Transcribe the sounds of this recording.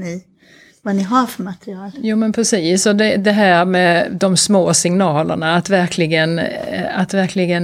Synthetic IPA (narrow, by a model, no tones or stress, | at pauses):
nɪ | vanɪɦaɾfœɾmat̪ɾɪɑːljuːmɛnpʰɾɛsiːsɔd̪ɛd̪ɛɦæːɾmɛːd̪ɔmsmoːsɪŋnɑːlə̰ɳaːt̪væɾkʰlɪɡənat̪væɾkʰlɪɡən